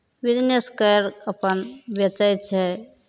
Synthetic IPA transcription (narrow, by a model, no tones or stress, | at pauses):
bid͡ʒneskəɾəpənbjət͡ʃajt͡ʃʰɛ